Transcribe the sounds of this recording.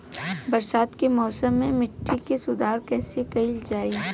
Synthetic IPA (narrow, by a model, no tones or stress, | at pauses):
bɐɾsaːt̪kemɔːsəmːẽmɪʈːikesʊd̪ʱaːɾkɛːsekɐild͡ʒaːiː